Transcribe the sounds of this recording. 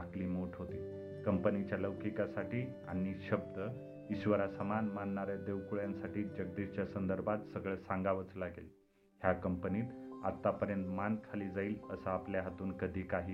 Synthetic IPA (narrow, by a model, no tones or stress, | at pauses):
akliːmoʈʰɦot̪iː | kəmpənit͡ɕjaləwkikasaʈiːa̰ɽ̃iɕəb̚d̪ə | iɕʋəɾasəmanmanːaɾjad̪eʋkuɭjãnsaʈiːd͡ʑəɡ̚d̪iɕt͡ɕjasənd̪əɾbʱat̪səɡɭɛsaŋɡaʋət͡slaɡel | ɦjakəmpəniːt̪at̪ːapəɾjənt̪mankʰaliːd͡zaiːləsəapljaɦat̪uːnkəd̪ʱiːkaɦiː